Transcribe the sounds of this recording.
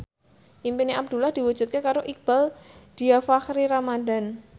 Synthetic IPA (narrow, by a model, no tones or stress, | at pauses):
ʔimpiniab̚d̪ṳlahd̪̥i̤wu̥d͡ʒ̥ṳt̪̚kekaɾoʔik̚b̥ald̪̥iafakɾiɾamadan